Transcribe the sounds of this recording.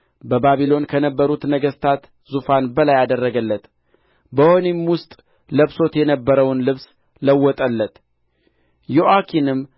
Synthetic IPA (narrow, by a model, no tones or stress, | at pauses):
bəbaβilo̞nkʰənəbːəɾut̪nəɡəst̪ʰat̪ | zufanbəlajad̪ərːəɡəlːət̪ | bəhonimwʊst̪ʼ | ləβso̞t̪jɛnəbːəɾəwnlɨβs | ləwːɔt̪ʼəlːət̪ | joʔakʰinɨm